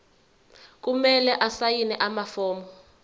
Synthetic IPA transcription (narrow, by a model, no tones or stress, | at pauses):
k̬umɛlɛʔasajinɛʔamafɔːmbɔ